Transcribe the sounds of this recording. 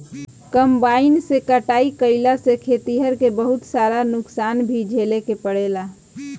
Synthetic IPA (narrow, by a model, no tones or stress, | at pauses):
kəmbaɪnsekəʈaikəɪlasekʰet̪iɦəɾkebəɦut̪saɾanʊksanbʱid͡ʒʱelekepəɽela